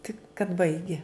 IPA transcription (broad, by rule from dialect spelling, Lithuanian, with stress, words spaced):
tʲɪk kɐt ˈbɐɪɡʲɪ